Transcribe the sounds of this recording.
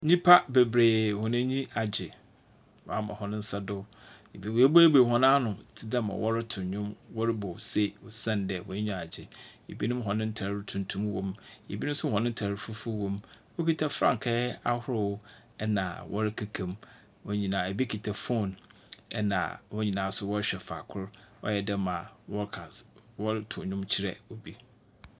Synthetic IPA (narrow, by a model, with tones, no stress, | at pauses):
ɲĩ˦pʰa˦be˨bɾeː˨hɔ˨nã˦ɲĩ˦a˨d͡ʑɪ˨ | wɔ̰˨a˦mã̰˨hɔ˨nʊ̃˦n̩˦sa˦dʊ˦ | e˨bi˦we˦bo˦e˦be˨ɦɔ̃˦nãː˦nʊ̃˨tʰɪ˦da˦mã̰˨wʔɔ˦ɾɪ˦tʰʊ̃˨ɲʊ̃˦mwɔ˦ɾɪ˦bɔ˨se˦wɔ˨sã˦˨ndɛ˨wɔ̰˨˦ɲᶣũ˦a˨d͡ʑɪ˨ḛ˨bi˦nʊ̃˦m˦ɦɔ̃˨nɪ̃˦n̩˦tʰa˨ɾɾɪ˦tʰũ˨ntʰũ˦mwɔ̃˨mḛ˨bi˦nʊ̃˦sʊ˦hɔ̃˨nɪ̃˦tʰa˨ɾɪ˨fu˦fu˦wɔ̃˨m | wo˦kʰi˨tʰa˨fɾã̰˦˨ŋ˨kʰɛ˦a˦hʊ˦ɾɪ˦˨wʊ˦ | ɛ˦nã̰˨wʔɔ̰˦ɾɪ˦kʰa˨kʰẽ˨m | wɔ˦ɲĩ˨nãː˨æ˨bi˦kʰi˨tʰa˨fo˦˨n | ɛ̰˦nã̰˨wɔ˦ɲĩ˨nãː˨˦sʊ˦wɔ˦ɕᶣɛ˨fa̰˨kʰʊ˦ɾɔ̰˦jɛ˨dɛ˦mã˨wɔ˦kʰa˨wɔ˦ɾtʰʊ̃˨ɲʊ̃˦mt͡ɕʰɪ˦ɾɛ̰˨o˨bi˦